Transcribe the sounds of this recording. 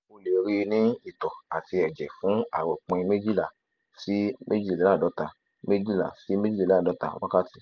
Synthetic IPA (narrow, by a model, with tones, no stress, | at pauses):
o˧le˨ɾi˧nĩ˦i˦˨tɔ˨a˨ti˧ɛ˨d͡ʒɛ˨fũ˨˦a̰˦˨wɔ˨k͡pɔ̃˧ĩ˧me˦d͡ʒi˦la˨ | si˦mʔe˦d͡ʒi˦˨le˨˦la˦˨dɔ˨˦ta˧ | me˦d͡ʒi˦la̰˨si˦me˦d͡ʒi˦la˦˨dɔ˨˦ta̰˧˦wa˦ka˦ti˨